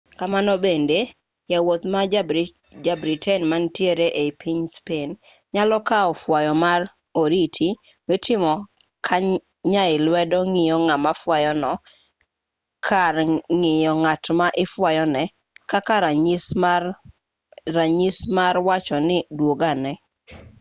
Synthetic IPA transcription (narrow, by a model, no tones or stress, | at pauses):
kamanɔbende | jawot̪ma | d͡ʒabɾitɛnmantjeɾeʔepiɲspen | ɲalɔkaɔfwajɔmaɾ | oɾitʰi | mɪtɪmɔ | kʰa | ɲaɪlwɛdɔŋɪjɔŋamafwajɔnɔ | kʰarŋɪjɔŋatmaʔɪfwajɔnɛ | kakaɾaɲs | aɲismaɾwat͡ʃɔnɪdwoɡanɛ